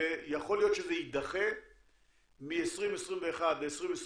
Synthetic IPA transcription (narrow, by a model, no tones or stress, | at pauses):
jaχo̞lijo̞t̪ʃezeid̪aχe | miesʁimesʁimveːχad̪veesʁimes